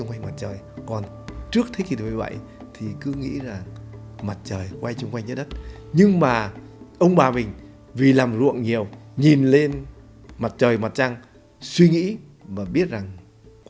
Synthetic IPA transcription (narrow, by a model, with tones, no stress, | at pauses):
ŋ͡mkwa˧ŋma˨˩t̚t͡ɕəː˨˩jkɔ˨˩n | t͡ɕɨ˦˥ək̚t̪ʰə˨˦jki˨˩˨mː˨˩ɓə̰˧˨j | t̪ʰi˨˩kɨ˨˦ŋḭ˧˥za˨˩ŋ | ma˨˩t̚t͡ɕəː˨˩jkwa˧jt͡ɕʊ˧ŋ͡mkwa˧jŋ̟zə˦˥ɗə˦˥t̚ɲɨ˧ŋmaː˨˩ | ʔə˧wŋ͡mɓaː˨˩mï˨˩ŋ̟ | vi˨˩laː˨˩mzṵ˧˨əŋɲi˨˩əwɲi˨˩nle˧n | ma˨˩t̚t͡ɕəː˨˩jma˨˩t̚t͡ɕa˧ŋ | swi˧ŋḭ˧˥ | vaː˨˩ɓi˦˥ət̚za˨˩ŋ